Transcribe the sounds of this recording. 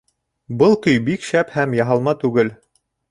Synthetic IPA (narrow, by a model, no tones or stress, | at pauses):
bɤlˠkɵjbikʃæphæmjɑɦɑlˠmɑt̪ʉɡɘl